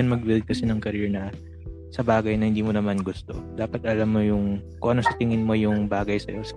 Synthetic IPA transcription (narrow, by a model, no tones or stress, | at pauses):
ɐnmɐɡ̚bɪld̪̚kɐsɛnɐŋkɐɾɛɹnɐ | sɐbaːɡɐjnɐhɪnd̪iːmonɐmanɡʊst̪o̞̰d̪̥aːpɐt̪̚ʔɐlamːojʊŋkʊ̰ŋʔɐno̞sɐt̪ɪŋɪnmo̞jʊŋbaːɡɐjsɐjo̞s